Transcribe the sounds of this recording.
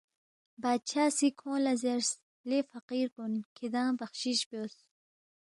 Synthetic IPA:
baːd̪̚t͡ʃʰaːsikʰõːlɐzeɾs | lefaqiːɾpunkʰid̪ãːbɐχɕiɕbos

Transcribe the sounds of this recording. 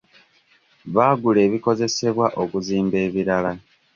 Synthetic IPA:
βaːɡule̞ːβiko̞ze̞se̞βwaʔo̞kuziːmbe̞ːβiɾala

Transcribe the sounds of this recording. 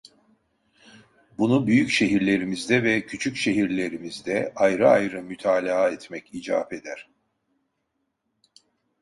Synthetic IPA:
bunubyjycʃe̞ɦiɾlʲe̞ɾimizd̪ɛvɛcʰyt͡ʃʰycʃe̞ɦiɾlʲe̞ɾimizd̪ɛajɾɯajɾɯmyt̪ʰaːlʲaaɛt̪mɛcid͡ʒa̰ːpe̞d̪æɾ̥

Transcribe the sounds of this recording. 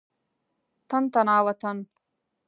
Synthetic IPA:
t̪ɐnt̪ɐnaːwɐt̪ɐn

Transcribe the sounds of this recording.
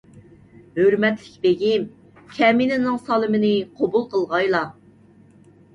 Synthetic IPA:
høɾmɛt̪lɪkʲbeɡʲim | kʲʰɛminɪnɪŋsɑlˠɨmɪnɪqʰobulˠqəlˠʁɑjlˠɑ

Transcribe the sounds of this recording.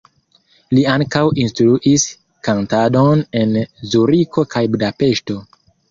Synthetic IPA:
liaŋkawinstɾuʔis | kantado̞ne̞nzuɾiko̞kʰajbudape̞ʃto̞

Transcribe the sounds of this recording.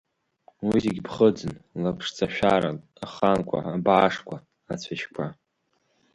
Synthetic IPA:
wizeɡʲbχəd͡zɨnlapʰʂt͡sʰaʃᶣaɾa | aχankʷʰa̰abʕaʂkʷʰa | at͡sʷʰaʃkʷʰa

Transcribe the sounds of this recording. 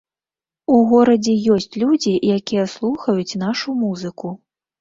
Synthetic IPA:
uɣɔɾɐd͡zʲɛjɔsʲt͡sʲlʲud͡zʲijakʲijɛslˠuxɐjut͡sʲnaʂumuzɨku

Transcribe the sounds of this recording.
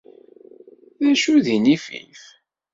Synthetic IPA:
ðæʃuðinifḭθ

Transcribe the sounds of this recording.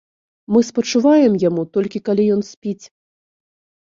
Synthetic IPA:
mɨspɐt͡ʂuvajɛmjamut̪ɔlʲkʲikalʲijɔn̪sʲpʲit͡sʲ

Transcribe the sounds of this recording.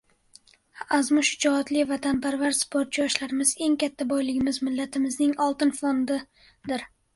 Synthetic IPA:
azmʊʃʊd͡ʒɒːt̪lɪvat̪ʰanpaɾvaɾspoɾt̪t͡ʃjɒʃlaɾɪmɪze̞ŋkʲʰat̪ʰːabɒjlɪɡʲɪmɪzmɪlːat̪ʰɪmɪznɪŋɒlˠt̪ɪnfond̪ɪ | d̪ɪɾ

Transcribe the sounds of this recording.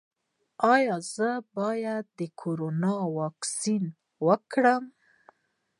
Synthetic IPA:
ɑjɑzəbɑjad̪ːəkʰoɾonɑwɑksin | wəkɽəm

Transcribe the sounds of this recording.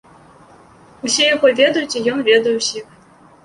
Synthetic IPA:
usʲɛjaɣɔvʲed̪ɐjut͡sʲijɔnvʲed̪ɐjɛwsʲix

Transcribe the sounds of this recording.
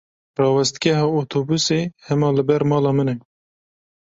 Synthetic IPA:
rɑːwɛst̪ɡɛɦɑːot̪ʰoːbuseːhɛmɑːlɨbɛɾmɑːlɑːmɨnɛ

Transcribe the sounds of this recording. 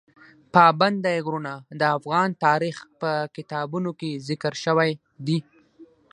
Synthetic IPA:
pɑband̪ajɡɾunad̪əafɣɑnt̪ɑɾixpəkɪt̪ɑbunokezɪkəɾʃəwaj | d̪i

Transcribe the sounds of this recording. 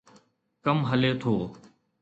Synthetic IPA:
kəmɦəleːt̪ʰoː

